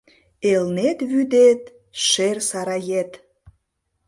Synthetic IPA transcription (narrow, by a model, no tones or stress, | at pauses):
elnet̪βyd̪et̪̚ | ʃersɑɾɑjet̪